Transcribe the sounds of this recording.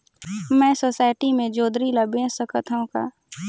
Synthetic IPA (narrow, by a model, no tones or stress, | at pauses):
mɛ̃ːsoːsaːɪʈimẽd͡ʒoːd̪ɾiləbẽsəkət̪ʰũka̰ː